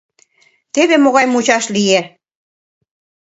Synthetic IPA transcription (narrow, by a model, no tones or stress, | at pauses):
t̪eβemoɣɑjmut͡ɕɑʃlie